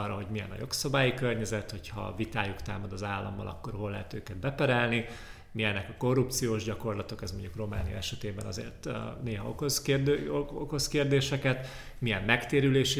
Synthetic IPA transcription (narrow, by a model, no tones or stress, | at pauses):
ɒrːɒɦo̞ɟmijɛ̰nɒ̰jo̞ksɒbaːjikørɲɛzɛt̪ho̞chɒ̰vit̪aːjukt̪aːmɒd̪ɒzaːlːɒmːɒ̰lʔɒ̰kːo̞rɦo̞lːɛɦɛt̪øːkɛd̪̚bɛpɛɾɛlni | miɛnɛkɒko̞rːupt̪sijoːʒɟɒko̞rlɒt̪o̞kɛzmo̞ɲɟukro̞ma̰ːnijɒ̰ɛʃɛt̪eːbɛnɒzḛːrt̪neːɦɒokosk̪ː | oko̞skeːrd̪eːʃɛkɛt̪ | mijɛmːɛkt̪eːɾyleːʃi